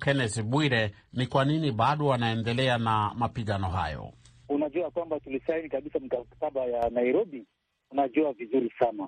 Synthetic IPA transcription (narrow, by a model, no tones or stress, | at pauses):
kɛnɛsɓwiɾɛ | nikwaniniɓaɗɔwanaɛndɛlɛanamapiɠanɔɦa̰jɔ̰ | unaʄuakwambatulisainikaɓisamikaataɓajanaiɾɔɓi | unaʄuavizuɾisana